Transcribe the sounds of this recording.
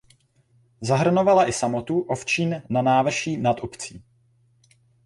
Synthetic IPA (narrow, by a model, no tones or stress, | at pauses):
zaɦr̩no̞valaʔɪsamo̞t̪uʔoft͡ʃiːnnanaːvr̩ʃiːnat̪upt͡siː